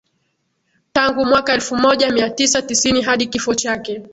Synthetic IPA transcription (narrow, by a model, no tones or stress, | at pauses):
taŋɡumwakaɛlfumɔʄamiatisatisiniɦaɗikifɔt͡ʃakɛ